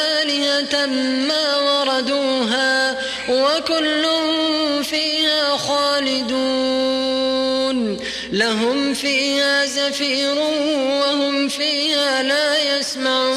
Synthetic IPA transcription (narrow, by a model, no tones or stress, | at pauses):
aːlɪhamaːwɑɾˤɑd̪uːɦaː | wakʊlːʊhʊmfiːhaːxaːlɪd̪uː | n | laɦʊmfiːhaːzafiːɾʊwahʊmfiːhaːlaːjasmaʕuː